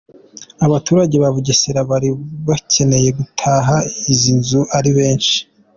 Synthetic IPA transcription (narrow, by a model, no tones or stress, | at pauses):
aβatuːɾaɟe̞βaβuɟeseɾaβaɾiβacʰe̞ne̞je̞ɡutʰaːɦaizinzuʔaɾiβe̞ːnʃi̥